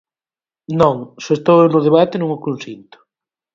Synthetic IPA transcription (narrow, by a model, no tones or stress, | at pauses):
nõŋsest̪ownʊðeβat̪enũŋokũnsint̪ʊ̥